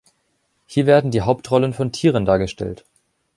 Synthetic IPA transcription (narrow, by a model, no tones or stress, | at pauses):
hiːɐveːɐdn̩diːɦaʊptʁɔlənfɔntʰiːʁəndaːɐɡəʃtɛ̰lt